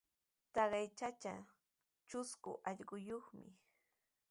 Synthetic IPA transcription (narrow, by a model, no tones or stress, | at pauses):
t̪ɑɢɑjt͡ʃat͡ʃa | t͡ʃʊskʊ̰ʔɑʎɢʊjoχmɪ̰